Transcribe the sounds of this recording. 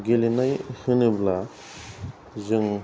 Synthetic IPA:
ɡelinajhɯnɯbla | zɯŋ

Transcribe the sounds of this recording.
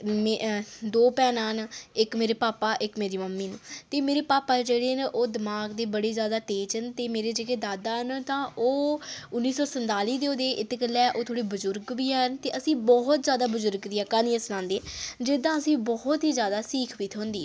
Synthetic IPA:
md̪oːpɛːnaːnɪkmeːɾeːpaːpaːʔɪkmeːɾiːməmːiːnːt̪eːmeːɾeːpaːpaːd͡ʒeːɽeːnʔoːd̪ɪmaːɡd̪eːbəɽeːzjaːd̪aːt̪eːt͡ʃənt̪eːmeːɾeːd͡ʒeːkeːd̪aːd̪aːnt̪ãːʔoːʊnːiːsɔːsənt̪aːliːd̪eːoːd̪eːʔɪt̪ːeːkəlɛːʔoːt̪ʰoːɽiːbʊzʊɾɡbiːɦɛnt̪eːʔəsĩːbɔɦt̪zjaːd̪aːbʊzʊɾɡd̪iːɛkaːniːəsnãːnd̪eːd͡ʒed̪ãːəsĩːbɔɦʊt̪ɦiːzjaːd̪aːsiːkʰʋit̪ʰɦõnd̪iː

